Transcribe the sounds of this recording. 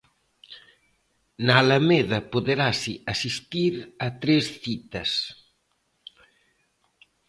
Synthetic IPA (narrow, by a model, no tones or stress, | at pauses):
naːlameðɐpoðeɾasiasist̪iɾat̪ɾesθit̪ɐs